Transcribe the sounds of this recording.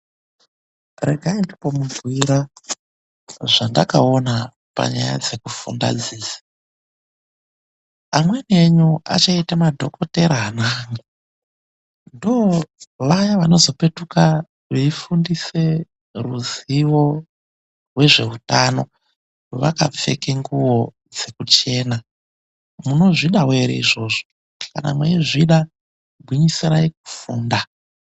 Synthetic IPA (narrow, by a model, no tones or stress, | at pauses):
re̞̰ɡʱaindipo̞muɡʱwiɾa | ʐandakaona | pa̰ɲa̰ja̰d͡ze̞kufṵnda̰d͡ziːsḁ | amwe̞ne̞ɲua̰t͡ʃaitamadʱo̞kote̞ɾaːnaŋ | ndoʋajaʋano̞zo̞pe̞tuka | ʋeifundise̞ | ruziʋo̞ | rwe̞ʐe̞utano̞ | oʋa̰ka̰p͡fe̞̰keŋɡuwo̞ | d͡ze̞kut͡ʃe̞ːna | muno̞ʐiɗaweɾḛiʐo̞ːʐo | ka̰na̰mweiʐiɗa | bʱwiɲisaɾaik̚u̥fuːnda